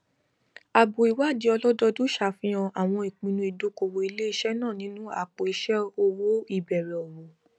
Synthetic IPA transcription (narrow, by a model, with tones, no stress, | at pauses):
a˨bo˨i˨wa˦˨di˧˦ɔ˧lɔ˦dɔ˦do˦ʃa˧˨fĩ˦ɔ̃˧ʔa˨w̃ɔ̃˧i˨k͡pĩ˧nũ˧i˨do˨˦ko˧wo˧˨i˧le˦i˧ʃɛ˦nãː˦˨nĩ˦nũ˦a̰˦˨k͡po˨i˨˧ʃɛ˦o˧wo˦i˦˨bɛ˨ɾɛ˨ɔ˨ɾo˨